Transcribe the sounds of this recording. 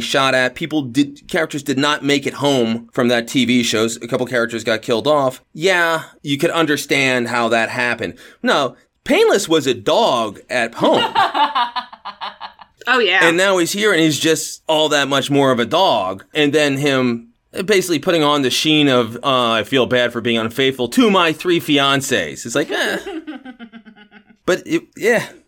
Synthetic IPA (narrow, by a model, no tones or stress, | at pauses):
ʃɑɾɨt̚pʰipl̩ˠdɨd̚kʰɛɹɨk̚tə˞zdɨdⁿnət̚meɪkɨt̚hõʊ̃ɱfɹʌ̃mðɨtʰiviʃoʊzɨkʰʌpl̩ˠkʰɛɹɨk̚tə˞zɡɑt̚kʰɪlˠdɔfjæjɨkɨɾʌ̃ndə˞stæ̃nd̚ɦaʊðɨt̚hæpɨ̃nd̥̚naʊ | pʰẽɪ̃nləswʌzɨdɔɡɨt̚hõʊ̃m | oʊjæɨ̃nːaʊiz̥hiɹɨ̃nizd͡ʒʌstɔlˠðət̚mʌt͡ʃmɔɹʌvɨdɔɡɨ̃nðɨ̃nɪ̃m | beɪsɪklipʰʊɾɪ̃ŋə̃nðɨʃĩnʌvʌaɪfilˠbæd̥fə˞biɪ̃ŋʌ̃nfeɪθfl̩ˠtʰumaɪθɹifiɑ̃nsḛɪz̥izslaɪkʌ | b̥ʌtɪjæ